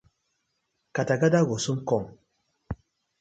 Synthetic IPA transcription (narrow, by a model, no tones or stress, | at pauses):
kataɡadaɡosuŋkɔŋ